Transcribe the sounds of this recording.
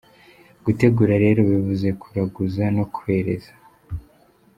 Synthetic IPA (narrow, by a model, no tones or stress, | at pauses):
ɡ̥ute̞ɡuːɾaɾe̞ːɾoβivuze̞kʰuɾaɡuzanokuwe̞ːɾe̞̰zḁ